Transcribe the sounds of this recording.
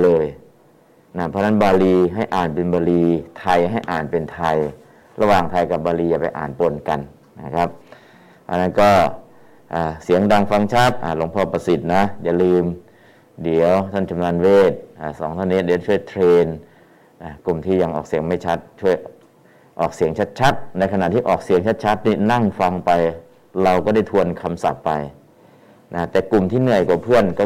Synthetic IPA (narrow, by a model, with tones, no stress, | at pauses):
lɤː˧j | na˧˩pʰɔː˦˧˥na˥˩nbaː˧liː˧ɦa˥˩jʔaː˨˩npe˧nbɔː˧liː˧t̪ʰa˧jɦa˥˩jʔaː˨˩npe˧nt̪ʰa˧j | ɾa˧waː˨˩ŋt̪ʰa˧jka˨˩p̚baː˧liː˧ja˨˩pa˧jʔa̰ː˨˩npo˧nka˧n | na˦˥˩kʰa˦˥p̚ | ʔa˧˩nːa˥˩nkɔː˥˩ | ʔaː˨˩si˩˦əŋdaː˧ŋfa˧˥˩ŋt͡ɕʰa˦˥˩t̪̚ʔaː˧˩lo˨˩˦ŋpʰɔː˧˩pa˧si˨˩t̪̚na˦˥jaː˧˩lɯː˧m | di˨˩˦əwt̪ʰa˥˩nt͡ɕa˧mna˧nweː˥˩t̪̚ʔaː˧˩sɔː˩˦ŋt̪ʰa˥˩ni˦˥di˨˦˥t͡ɕʰu˥˩ə˨jt̪ʰɾeː˧n | ʔaː˧˩ku˨˩mt̪ʰiː˥˩ja˧ŋʔɔː˨˩k̚si˨˩˦əŋma˥˩jt͡ɕʰa˦˥t̪̚t͡ɕʰu˥˩əj | ʔɔ̰ː˨˩k̚si˨˦əŋt͡ɕʰa˦˥t̪̚t͡ɕʰa˦˥t̪̚na˧jkʰa˧na˨˩t̪ʰiː˥˩ʔɔː˨˩k̚si˨˩˦ŋt͡ɕʰa˦˥t̪̚t͡ɕʰa˦˥t̪̚niː˥˩na˥˩ŋfa˧ŋpa˧j | ɾa˧wkɔː˥˩da˥˩jt̪ʰu˧ənkʰa˧msa̰˨˩pːa˧j | na˦˥t̪ɛː˨˩ku˨˩mt̪ʰiː˥˩nɯ˥˩əjka˨˩pʰɯ˥˩ənkɔː˥˩